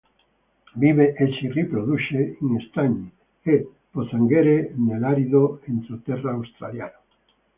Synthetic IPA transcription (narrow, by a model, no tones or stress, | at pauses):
biβeʔeʃiripɾoðuʃeŋest̪aɲi | e | poθaŋɡeɾenelaɾiðoent̪ɾot̪ɛraːwst̪ɾa̰ljano